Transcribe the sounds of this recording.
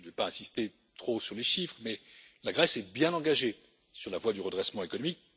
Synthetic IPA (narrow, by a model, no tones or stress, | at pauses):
vɛpaɛ̃sist̪e | t̪χosyʁleʃifχmɛlaɡʁɛsɛbjɛ̃nɑ̃ɡaʒe | syʁlavwad̪yʁəd̪ʁɛsmɑ̃ekɔnɔmik